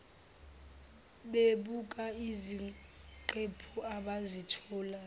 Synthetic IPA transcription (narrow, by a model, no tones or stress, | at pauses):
ɓeɓukʼaiziǃepʰuaɓazitʰɔːla